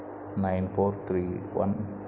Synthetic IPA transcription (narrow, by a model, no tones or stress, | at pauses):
najnfoːɾt̪ʰɾiːwɐ̰n